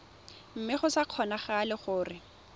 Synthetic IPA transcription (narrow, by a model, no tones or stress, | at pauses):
m̩mɪχʊsaq͡χʰɔnaχalɪχʊːrɪ